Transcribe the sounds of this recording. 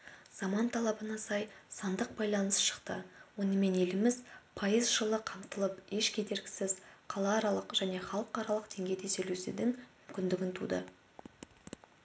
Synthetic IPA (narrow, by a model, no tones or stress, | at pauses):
z̥ɑmɑnt̪ʰɑlˠɑbənɑsɑjsɑnd̪əq̚bɑjlˠɑnəsʃə̥qt̪əwo̞nəme̞ne̞lɪmɪzpʰɑjəzʒəlˠəqʰɑmt̪əlˠəpe̞ʃkʲʰe̞d̪e̞ɾɡʲɪ̥sɪzqʰɑlˠɑːɾɑlˠəqʒæne̞χɑlˠəqɑɾɑlˠəqd̪e̞ŋɡʲe̞jd̪esɵjlesed̪ɪŋmʏmkʲɪnd̪ɪɡʲɪnt̪ʰṵd̪ə̰